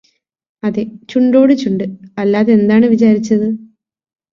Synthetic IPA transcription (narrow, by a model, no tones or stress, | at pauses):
ɐðet͡ɕuɳɖo̞ːɽɨt͡ɕuɳɖɨɐlːaːðee̞nd̪aːɳɨʋit͡ɕaːɾit͡ɕːɐðɨ